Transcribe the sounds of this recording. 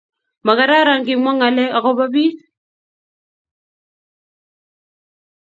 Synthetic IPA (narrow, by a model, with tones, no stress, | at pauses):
ma˨ka˨ɾa˦ɾa˦˨ŋkɪ˨ŋɔ˦ŋa˨lɛ˦a˨kɔ˦ba˦bi˦s